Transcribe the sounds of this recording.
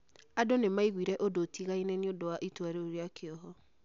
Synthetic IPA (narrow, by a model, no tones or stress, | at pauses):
adonemaiɣwiɾɛʔodotiɣainɛneodowaʔitwaɾeoɾeakeɔɦɔ